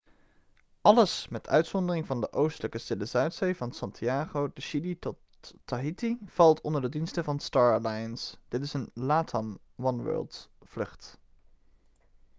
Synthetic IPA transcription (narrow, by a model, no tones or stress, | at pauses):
ʔɑləsmɛtœ̰ɥtsɔndərɪŋvɑndəʔowstələkəstɪləzœɥtsejvɑnsɑntʰiaːχowdəʃiditɔtː | aɦitiv̥ɑlˠtɔndəɹdədinstəvɑnstɑːɹlajənsd̥ɪtɪsənlaːtʰɑm | ʋɑnʋɜ̰ːlˠtflɵχt